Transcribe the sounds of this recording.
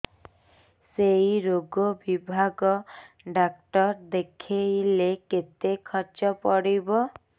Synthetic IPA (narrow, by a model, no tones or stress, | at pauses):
sejɾoɡobibʱaɡɔ | ɖakʈɔɾd̪ekʰejleket̪ekʰɔɾd͡ʒɔpɔɽibɔ